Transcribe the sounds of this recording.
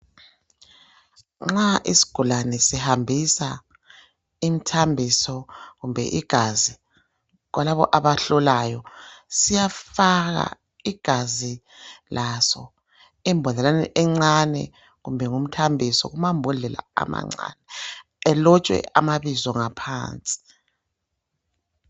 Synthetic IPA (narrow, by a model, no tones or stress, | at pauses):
ŋ͡ǁaʔisi̥ɡ̥ʱulanɛsihambʱisa | imitʰambʱisɔɣumbʱɛ̰ʔiɡ̥ʱazi | ɣwalaβɔ̰ʔaβaɬɔlajɔsijafaɣa̰ | iɡ̥ʱazi | lʔasɔ | ɛmbʱɔnɛlanɛ̰ʔɛŋ͡ǀanɛ̰ | ɣumbʱɛŋum̩tʰambʱisɔ̰ɣumambʱɔɮɛla̰a̰ma̰ŋ͡ǀa̰nɛ | ɛlɔt͡ʃʼwɛ̰ʔa̰maβizɔŋapʰa̰ːnt͡sʼi̥